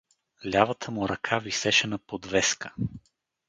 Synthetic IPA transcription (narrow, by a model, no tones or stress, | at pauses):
lʲavət̪ʰəmʊɾɐkʰavisɛʃɛnəpod̪vɛskə̥